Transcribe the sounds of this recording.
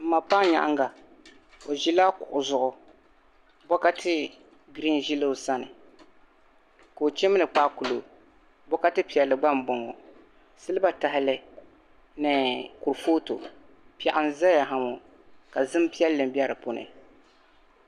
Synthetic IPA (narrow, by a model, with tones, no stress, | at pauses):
m̩˨ma˨pa˦ɲa̰˨ʔa̰˦ŋɡa˨ | o˨ʒi˦laː˦kʊ˨ʔʊ˨zʊ˨ʔʊ˨ | bɔ˦ka˦tʰɪ˦ | ɡɾi˦nʒi˦lɨ˦ʊ˨sa˦nɨ˨ | koː˨t͡ʃɛ˦mɨ˦nɨ˨k͡paː˦ku˨lo˨ | bɔ˦ka˦tɨ˦pi˨ɛ˨lːɨ˨ɡ͡ba˦m˨bɔ˨ŋɔ˨ | sɨ˦lɨ˦ba˦ta˨hɪ˦lɪ˦ | nɨ˨ku˨ɾfoː˦to˨ | pɛ˨ʔa˦n˦za˦ja˨ɦa˨mo˨ | ka˨zɨ˦m˦pi˦ɛ˦lːɨ˨m˦bi˦ɛ˦ɾɨ˨po˦nɨ̰˨